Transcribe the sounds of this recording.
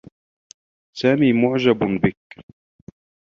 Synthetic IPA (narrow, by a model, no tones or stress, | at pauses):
saːmiːmʊʕd͡ʒabbɪk̚